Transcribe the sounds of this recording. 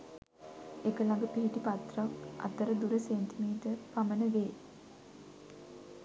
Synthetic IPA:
ekəlaŋɡəpiɦiʈipat̪rakʔɐ̰t̪əɾəd̪uɾəseːnt̪imiːt̪əpamənəʋeː

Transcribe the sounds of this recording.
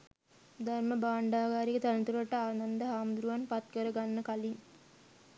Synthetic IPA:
d̪arməbaːɳɖaːɡaːɾikət̪ænət̪uɾəʈəaːnand̪əɦaːmd̪uɾuʋanpat̪kəɾəɡanːəkaliŋ

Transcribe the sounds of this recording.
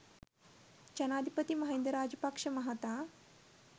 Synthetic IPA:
t͡ʃɐnaːd̪ʱipɐt̪imɐɦend̪ɾaːd͡ʒɐpɐkʂɐmɐɦat̪a

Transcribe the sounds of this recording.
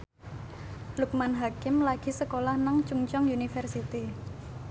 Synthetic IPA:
luk̚manɦakɪmlaɡ̥i̤səkolahnaŋt͡ʃuŋt͡ʃɔŋjunifərsit̪i

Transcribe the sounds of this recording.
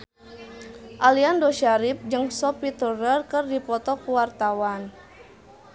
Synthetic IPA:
ʔaliandoʃaɾip̚d͡ʒɨŋsɔpit̪urərkərdipɔt̪ɔkuwart̪awan

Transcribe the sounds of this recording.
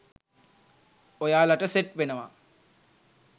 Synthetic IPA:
ojaːlaʈəseʈʋenəʋa̰

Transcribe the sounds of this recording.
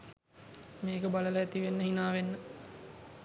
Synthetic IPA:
meːkəbalələæt̪iʋenːəɦinaːʋenːə

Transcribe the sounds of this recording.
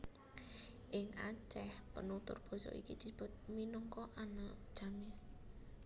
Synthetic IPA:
ʔɪŋat͡ʃɛhpənut̪ʊ̰rb̥ɔ̤sɔ̰ḭki̥d̪̥i̤b̥ɔ̤t̪̚minuŋkɔʔanad̥ʒ̥a̤me

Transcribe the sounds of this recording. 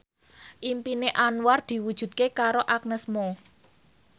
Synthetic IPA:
ʔimpineʔanward̪̥i̤wud̥ʒ̥ṳd̪̚kekaɾoʔak̚nəsmo

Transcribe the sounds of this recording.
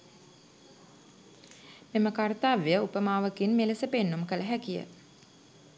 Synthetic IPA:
meməkart̪aːʋejəupəmaːʋəkinmeləsəpenːumkələɦækijə̰

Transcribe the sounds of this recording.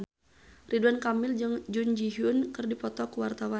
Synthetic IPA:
riduankamɪld͡ʒɨŋd͡ʒund͡ʒiɦʊnkɨrdipɔt̪ɔkuwart̪awa

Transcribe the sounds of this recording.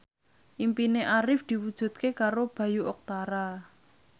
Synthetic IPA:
ʔimpineʔaɾɪfd̪̥i̤wud̥ʒ̥ṳt̪̚kekaɾob̥ä̤juʔɔk̚t̪aɾa

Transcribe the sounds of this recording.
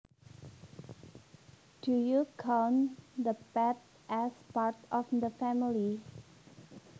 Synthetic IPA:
dujukʰɔnd̪əpɛt | ʔɛspaɹtɔfd̪əfɛmili

